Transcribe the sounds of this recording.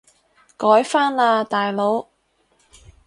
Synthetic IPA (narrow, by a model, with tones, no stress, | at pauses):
kɔː˨˥jfaː˥nlaː˧t̪aː˨jlo˨˧˥w